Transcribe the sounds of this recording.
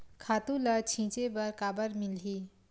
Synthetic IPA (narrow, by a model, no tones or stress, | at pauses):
kʰaːt̪ũlət͡ʃʰĩt͡ʃebəɾkaːbəɾmilɦi